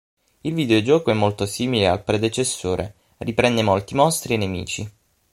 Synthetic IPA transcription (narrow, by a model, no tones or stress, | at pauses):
ilvid̪eod͡ʒɔːkoɛmːolt̪osiːmilea̰lpɾed̪et͡ʃesːoːɾʔḛ | ripɾɛnd̪emolt̪imɔst̪ɾienːemḭːt͡ʃi